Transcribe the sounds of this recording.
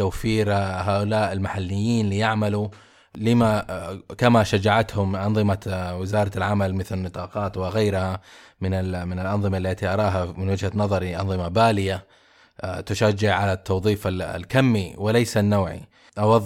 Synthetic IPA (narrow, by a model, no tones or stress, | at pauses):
t̪awfiːɾɦaːʔʊlaːʔɪlmaħalːɪjːiːnlijaʕmalu | lɪmakamaʃad͡ʒaʕat̪hʊmʔɑnðˤɨmawɪzɑːɾˤɑlʕamalmɪθlɪnːɨt̪ˤɑːqɑːt̪wɪɣajɾhamɪnɪmɪnɪlʔɑnðˤɨmalːat̪iʔɑɾˤɑːɦamɪnwɪd͡ʒhanɑðˤɑɾiʔɑnðˤɨmabaːlɪja | t̪ʊʃad͡ʒːɪʕʕalat̪ʰːɑwðˤiːfa̰lkamːiwɪlajsanːaːʕḭ | ʔawɑðˤ